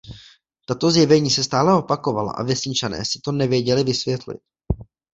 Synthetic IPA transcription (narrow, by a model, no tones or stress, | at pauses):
t̪at̪o̞zjɛvɛɲiːsɛst̪aːlɛo̞pako̞vala̰ʔa̰vjɛsɲɪt͡ʃanɛ̰ːsɪ̥t̪o̞nɛvjɛɟɛlɪvɪsvjɛt̪lɪ̰t̪̚